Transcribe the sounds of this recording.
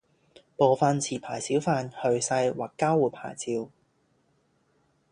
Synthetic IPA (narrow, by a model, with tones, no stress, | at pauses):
poː˨˧wfaː˧nt͡sʰiː˨˩pʰaː˨˩jsiː˨˥wfaː˧nhɵ˨˧ɥsɐ˧jwaː˨˩kːaː˥wuː˨˩pʰa̰ː˨˩jt͡siː˧w